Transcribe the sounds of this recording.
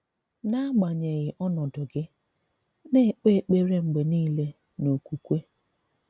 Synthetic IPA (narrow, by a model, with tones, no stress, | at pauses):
na˦ɡ͡ba˨ɲe˨ɣɪ˨ʔɔ˦nɔ˨dʊ˨ɡɪ˦ | ne˦˨k͡pe˦˨k͡pe˦ɾe˦ŋ͡m̩˨ɡ͡be˨niː˦le˦ | no˨kʷu˨kʷe˦